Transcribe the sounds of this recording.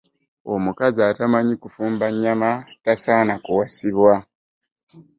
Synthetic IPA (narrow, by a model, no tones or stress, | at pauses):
o̞mukazaːtamaɲikufuːmbaɲːamatasaːnakuwasiβwa